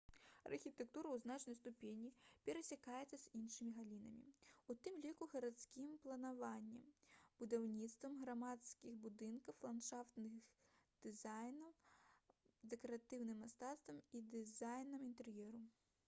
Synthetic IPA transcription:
ɐ̰rxʲit̪ɛk̚t̪uɾɐwznat͡ʂnɐjst̪upʲenʲipʲɛɾɐsʲakajɛt̪sːɐz̥ʲinʂɨmʲiɣalʲinɐmʲḭut̪ɨmlʲikuɣɐɾat̪skʲimplˠɐnavanʲːɛmb̥ud̪awnʲit̪st̪vɐmɣɾamat̪skʲixbud̪ɨnkɐwlˠant̪ʂaft̪nɨxd̪̥ɨzajnɐw | d̪ɛkɐɾat̪ɨwnɨmːast̪at̪st̪vɐmid̪ɨzajnɐmint̪ɛrjɛɾu

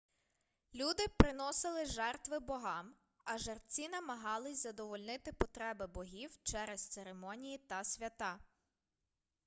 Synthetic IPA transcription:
lʲud̪ɪpɾɪnɔsɪlˠɪʒɛrt̪ʋɪbɔɦɑm | ɐʒert͡sʲinɐmɐɦɑlˠɪsʲzɐd̪ɔʋɔlʲnɪt̪ɪpɔt̪ɾɛbɪbɔɦʲiwt͡ʃɛɾɛst̪seɾemɔnʲijit̪ɐsʲʋʲɐt̪ɑ

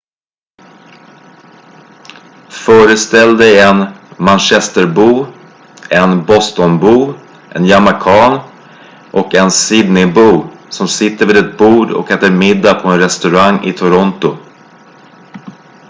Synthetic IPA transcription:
fœːɾəst̪ɛld̪ɛjɛnmanɕɛst̪əɾbuː | ɛnbɔst̪ɔnbuː | ʔɛ̰njamakʰɑːɳ | ʔɔkɛnsɪd̪nɪbuːsɔmsɪt̪ːəɾviːd̪ɛt̪̚buːɖɔ̰kɛːt̪əɾmɪd̪ːapʰɔɛnɾɛst̪ɵɾaŋːɪ̰t̪ʰʊɾɔnt̪ʊ

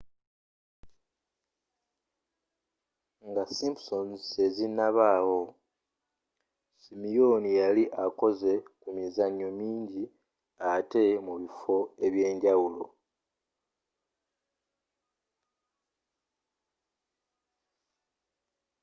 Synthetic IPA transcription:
ŋɡasimpsone̞zinaβaːwo̞ | simijonijaliʔako̞ze̞kumizaɲːo̞miːɲɟi | ate̞muβifo̞e̞βje̞ːɲɟawulo̞̰

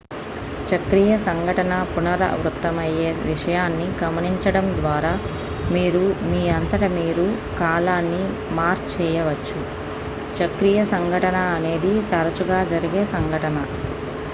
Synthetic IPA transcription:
t͡ʃɐkɾijɐsɐŋɡʱɐʈɐnɐpunɐɾɐ̰ʋɾut̪ːɐmɐjeːʋiʂɐjaːnːiɡɐmɐniɲt͡ʃɐɽɐmd̪ʋaːɾaː | miːɾumiːɐnt̪ɐʈɐmiːɾu | kaːlaːnːi | maːɾt͡ʃɛːjɐʋɐt͡ʃːu | t͡ʃɐkɾijɐsɐŋɡʱɐʈɐnɐːne̞ːd̪it̪ɐɾɐt͡ʃuɡaːd͡ʒɐɾiɡeːsɐŋɡʱɐʈɐnɐ

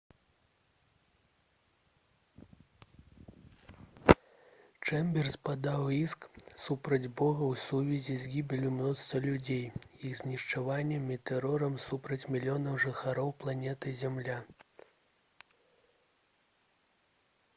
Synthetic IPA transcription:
t͡ʂɛmbʲɛrspad̪awisksupɾɐd͡zʲbɔɣɐwsuvʲizʲizʲɡʲibʲilʲumnɔst̪vɐlʲud͡zʲejiɣzʲnʲiʂt͡ʂavanʲːɛmit̪ɛɾɔɾɐmsupɾɐt͡sʲmʲilʲijɔnɐwʐɨxaɾɔwplˠanʲɛt̪ɨzʲamlʲa

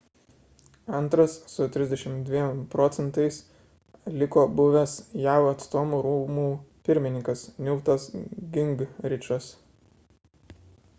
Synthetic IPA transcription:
ɐnt̪ɾɐsːʊt̪ʲɾʲɪzʲd̪ʲɛʃʲɪmd̪ʲʋʲiɛmpɾɔːt̪sʲɛnt̪ɐɪs | lʲɪkoːbʊʋʲɛsjæːʊɐt̪st̪oːmuːɾuːmuːpʲɪɾʲmʲɪnʲɪŋkɐsnʲʊʊt̪ɐsɡʲɪŋɡɾʲɪt͡ʃɐs

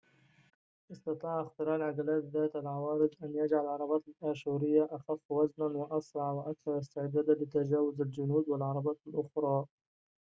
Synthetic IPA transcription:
ʔɪst̪ɑt̪ˤɑːʕʔɪxt̪ɪɾaːʕlʕaɡalaːt̪ðaːt̪alʕawaːɾɪd̪ʔanjad͡ʒʕalalʕɑɾˤɑbaːt̪ɪlʔaːʃuːɾɪjːaʔaxafːwaznanwaʔɑsɾˤɑʕwaʔakθɑɾˤɑst̪ɪʕd̪aːd̪alɪt̪ad͡ʒaːwʊzald͡ʒʊnuːd̪walʕɑɾˤɑbaːt̪alʔʊxɾˤɑː

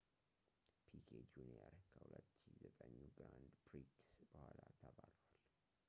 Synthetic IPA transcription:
pʰikʰed͡ʒunijaɾkʰːəhulət̪ːʃɪzət̪ʼəɲːuɡɾand̪ɡɾiksbəhʷalat̪ʰəβalwal

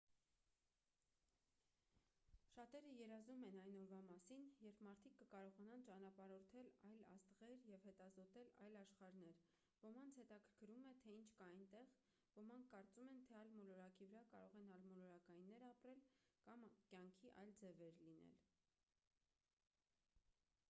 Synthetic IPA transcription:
ʃɑt̪ɛɾəjɛɾɑzumɛnɑjnɔɾvɑmɑsinjɛɾpʰmɑɾt̪ʰikːəkɑɾɔʁɑnɑnt͡ʃɑnɑpɑɾɔɾt̪ʰɛlɑjlɑ̰st̪əʁɛɾjɛvhɛt̪ɑzɔt̪ɛlɑ̰jlɑʃχɑɾnɛɾ | vɔɾmɑnt͡sʰhɛt̪ɑkʰə̥ɾkʰəɾumɛt̪ʰɛint͡ʃʰkɑɑjnt̪ɛʁ | vɔɾmɑŋkʰːɑɾt͡sumɛnt̪ʰɛɑjlmɔlɔɾɑkivəɾɑkɑɾɔʁɛnɑlmɔlɔɾɑkɑjinːɛɾɑpɾɛlkɑmkjɑŋkʰiʔɑ̰jld͡zɛvɛɾlinɛ̰l

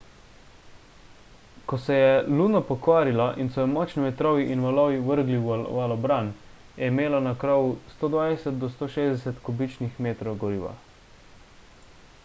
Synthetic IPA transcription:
kɔsɛjɛluːdnɔpɔkʋaːɾilaʔinsɔjɛmɔːt͡ʃnimɛt̪ɾɔːʋiʔinʋalɔːʋiʋəɾɡliʋalɔbɾan | jɛimeːlanakɾɔːwust̪oːd̪ʋajɛsɛt̪̚d̪ɔst̪oːʃeːzd̪ɛsɛt̪kɔbit͡ʃnixmeːt̪ɾɔwɡɔɾiːʋa̰

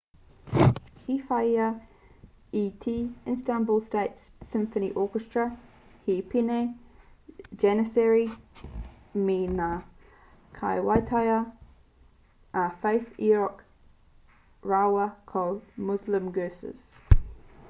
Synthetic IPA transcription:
hifaɪə | itʰiːɪ̃nstãnbulˠsteɪtsːɪ̃ɱfəniʔɔːˑkəstɹ̥ə | hipʰine | d͡ʒɛnəsɛɹi | mina | kʰaɪwaɪtʰaɪə | ʔafeɪfiɹɔk | ɹawəkʰɔlˠdmʊzlə̃mɡɜːsɪ̰z̥

